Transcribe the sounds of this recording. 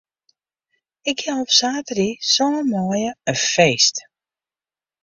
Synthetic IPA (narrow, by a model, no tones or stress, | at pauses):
ɪkjaɔpsaːtərisɔnəmɔːjəəfeːst